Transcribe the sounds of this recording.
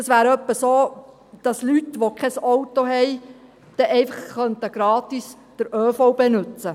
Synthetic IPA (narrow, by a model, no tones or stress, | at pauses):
ɑsʋæːɾœpːəsoː | d̪̥ɑslytʋokʰɛsɔwt̪oɦɛj | d̥ɛʔɛɪfɑχːœnt̪əɡ̥ɾɑːt̪is | d̥əɾøːfobenʉt͡sə